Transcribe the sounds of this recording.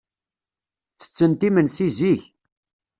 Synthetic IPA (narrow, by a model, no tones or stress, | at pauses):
t͡sːə̥t͡sːənt̪imənsiziç